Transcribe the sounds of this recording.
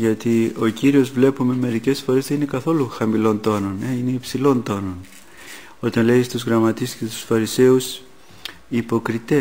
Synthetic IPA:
ʝɐt̪io̞ciɾio̞zvle̞pume̞me̞ɾice̞sfo̞ɾe̞zðeinekɐθo̞luxɐmilo̞nt̪o̞no̞ne̞ine̞ipsilo̞nt̪o̞no̞n | o̞t̪ɐnle̞ist̪uzɣɾɐmɐt̪iscet̪u̥sfɐɾise̞us | ipo̞kɾit̪e̞

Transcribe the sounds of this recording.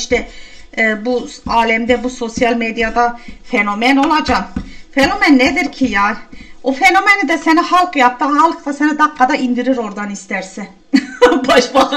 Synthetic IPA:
iʃt̪ɛ | buaːlʲɛmd̪ɛbuso̞sjalʲmed̪ijad̪afeno̞mɛno̞lˠad͡ʒafeno̞mænːed̪iɾcʰijaːofeno̞menid̪ɛsenihalˠkjap̚t̪ʰɯːɦalˠkt̪asenid̪akːad̪aind̪iɾiɾo̞ɾd̪anist̪æɾsɪn | baʃba

